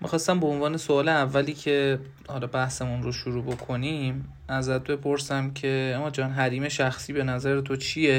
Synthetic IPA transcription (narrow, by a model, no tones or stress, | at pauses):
mʔixɒst̪æmboonvɒːnesoɒːleævːæliːcʰe̞ | hɒlɒbæhse̞munɾoʃuɾuːbo̞kʰo̞nim | æzæt̪̚be̞pʰoɾsæmcʰe̞æmːɒːd͡ʒɒːnɦæɾiːme̞ʃæxsiːbe̞næzæɾet̪ʰot͡ʃʰije̞